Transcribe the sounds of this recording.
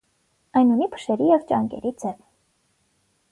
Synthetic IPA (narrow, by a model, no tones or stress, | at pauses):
ɑjnunipʰə̥ʃɛɾijɛvt͡ʃɑŋkɛ̰ɾid͡zɛv